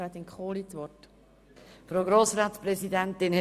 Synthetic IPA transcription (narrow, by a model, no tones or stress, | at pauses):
ɾat̪iŋkχoːlitʋɔt | fɾoːɡɾoːsɾaːt̪spɾɛsidɛnt̪ɪn